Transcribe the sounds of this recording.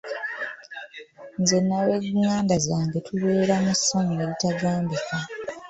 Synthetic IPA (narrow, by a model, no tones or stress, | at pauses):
nzenːaweɡŋaːndazaːŋɡetʰuβe̞ːɾamusːaŋeβitaɡaːmbikʰa